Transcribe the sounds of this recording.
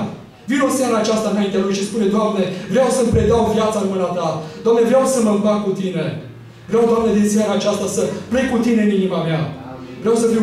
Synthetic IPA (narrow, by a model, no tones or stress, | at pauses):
vino̞sjaɾaːt͡ʃast̪aɨnaint̪ealujʃispune̞d̪oamne̞vɾeawsəmpɾe̞d̪awvjat̪saɨnmɨnat̪ad̪oamne̞vɾeawsəməmpakːut̪ine̞ | vɾeawd̪oamned̪insijaɾaːt͡ʃast̪asəplejkut̪ine̞ɨninimamea | vɾeawsəfi